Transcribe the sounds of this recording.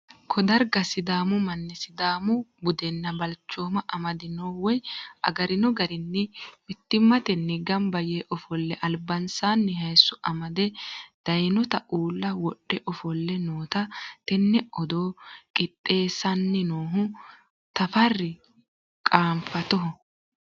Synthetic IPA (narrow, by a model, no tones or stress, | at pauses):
kʰɔd̪ɐɾɡɐsɪd̪aːmʊmɐnːɛsɪd̪aːmʊbʊd̪ɛnːɐbɐlt͡ʃːo̞ːmɐʔɐmɐd̪ɪnoːwɔjʔɐ̰ɡɐɾɪnɔɡɐɾɪnːɛmɪt̪ːɪmːɐt̪ɛnːɪɡɐmbɐjeːʔɔfɔlːɛʔɐlbɐnsaːnːɛɦɐjsːʊʔɐmɐd̪ɛd̪̥ɐjnɔt̪ɐʔuːlːɐwɔɗːɛʔɔfɔlːɛnoːt̪ɐt̪ɛnːɛɔd̪oːkʼɪt̪ʼːe̞ːsɐnːɛnoːɦʊ | t̪ɐfɐrːɪ | kʼaːmfɐt̪ɔɦɔ